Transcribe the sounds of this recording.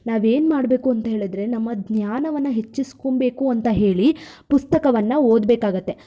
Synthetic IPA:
naːʋeːnmaːɽbe̞ːkuɐnt̪ɐɦe̞ːɭid̪ɾe̞nɐmːɐd̪njaːnɐʋɐnːɐɦe̞t͡ʃːiskombe̞ːkuɐnt̪ɐɦe̞ːɭipust̪ɐkɐʋɐnːɐoːd̪beːkaːɡɐt̪ːe̞

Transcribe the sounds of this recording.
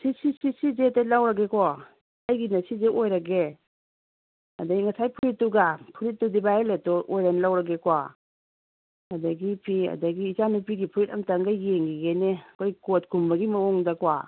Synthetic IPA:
sisiisizetelawɾɐɡekʰɔ | ajɡinɐsizeʔojɾɐɡe | ɐ̰dɐɡiŋɐsajpʰuɾitːuɡapʰuɾit̚ːudibajeletɔʔojɾanlawɾɐɡekwa | ɐdɐɡipʰiɐ̰dɐɡiːzanupiɡipʰuɾitɐmtaŋɡajeŋɡiɡenekʰojkot̚kumbɐɡimɐwɔŋdɐkwa

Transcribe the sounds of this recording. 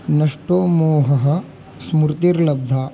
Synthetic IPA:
nɐʂʈoːmoːɦɐɦɐ̆ | smuɾt̪iɾlɐb̚d̪ʱaː

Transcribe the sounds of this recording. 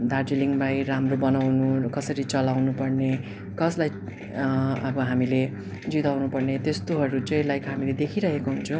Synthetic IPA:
d̪ard͡ziliŋbajramrobʌnawnukʌsʌɾit͡sʌlawnupʌrne | kʌslaj | ʌbʌɦamile | d͡zit̪awnupʌrnet̪est̪oɦʌɾut͡sʌ̃j̃lajkʌɦamiled̪ekʰiɾʌɦekoɦunt͡sʰʌ̃

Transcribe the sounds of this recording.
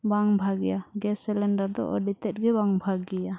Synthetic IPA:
baŋbʱaɡɛjaɡɛsɛlɛɳɖaɾd̪ɔ̰ʔɔ̰ɖit̪ɛt̪̚ɡɛbaŋbʱaɡɛja

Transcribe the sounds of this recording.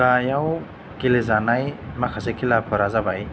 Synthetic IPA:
ajaw | kilezanajmakʰasekʰilapʰɔɾazabaj

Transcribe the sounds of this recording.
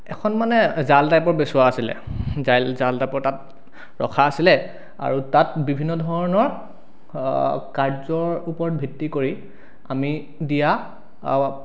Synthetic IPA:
ɛkʰɔnmanɛzaldajpɔɹbesʊwaːsilɛ̰zajlzaldajpɔɹtat̚ | ɹɔ̰kʰaːsilɛ | a̰ɹutatbibʱinːɔdʱɔɹɔnɔɹ | kaɹzɔɹupɔɹɔt̚bʱitːikoɹi | a̰mi | dija

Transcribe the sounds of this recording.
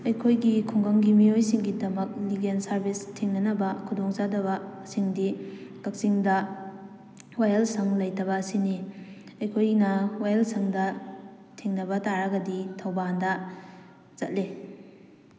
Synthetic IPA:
ɐjkʰojɡikʰuŋɡɐŋɡimijojsiŋɡidɐmɐk̚liɡensɐɾbistʰiŋnɐnɐbɐkʰudɔŋt͡ʃadɐβɐsiŋdikɐk̚siŋdɐ | wajɐlsɐŋlɐjtɐβɐːsini | ɐjkʰojnɐwajɐlsɐŋdɐ | tʰiŋnɐbɐtaɾɐɡɐditʰɐwbandɐ | zɐt̚le

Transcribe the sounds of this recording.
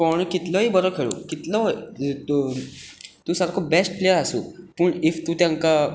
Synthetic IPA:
pəɳkit̪lɔɦiːbəɾɔkʰeɭo̰kit̪lɔ | t̪uːsaɾkʰobesʈplejəɾasṵːpəɳift̪ũt̪jãŋka

